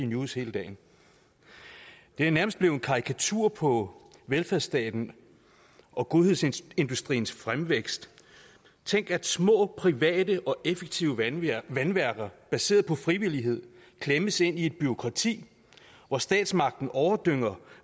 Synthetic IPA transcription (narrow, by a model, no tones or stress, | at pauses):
inushe̝ːləd̥ɛ̰ːɪn | d̥e̝æɐnæɐməsd̥̚b̥le̝ːʊenkʰɑ̈ʁikʰæt͡sʰṵɐ̰pʰɒ̽ʋelfæɐsd̥ɛ̰ːd̥n̩ | ʔɒ̽ɡ̥o̝ðˠhe̝ð̞ˠse̝nd̥usd̥ʁḭːn̩sfʁamʋeɡ̥sd̥ | t͡sʰeŋ̰ɡ̥æd̥smɔ̰̽ːpʰʁiʋɛ̰ːd̥əʔɒ̽ʔefeɡ̥t͡sʰiʊəænʋæɐɡ̥ɐb̥æse̝̰ːɐðˠpʰɒ̽fʁiʋiliɦe̝ð̞̰ˠ | kʰleməse̝n̰ie̝d̥̚b̥yʁo̝kʰʁɑ̈t͡sʰḭː | ʋɒsd̥ɛ̰ːd̥smɑ̈ɡ̥̚d̥n̩ʔɒʊɐd̥øŋ̰ɐ